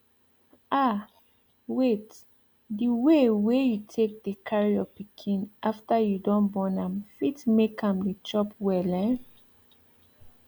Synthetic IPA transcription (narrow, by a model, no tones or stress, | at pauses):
a | wet | diwewejutʰek̚dekʰaɹijɔpikʰĩnʔaftajudɔ̃nbɔ̃nãmfitmekʰãmdit͡ʃɔpwɛlɛ̃n